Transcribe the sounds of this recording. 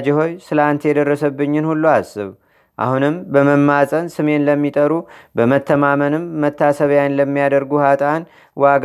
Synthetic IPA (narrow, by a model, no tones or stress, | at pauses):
d͡ʒɪho̞jsɨlant̪ʰjɛd̪ərːəsəbːɨɲːɪnhulːuasːɨ̰β | ʔa̰hunɨmbəməmːasʼənsɨme̞nləmːit̪ʼəɾubəmət̪ʰːəmamənɨmːət̪ʰːasəβjanləmːijad̪əɾɡuhat̪ʼan | waɡ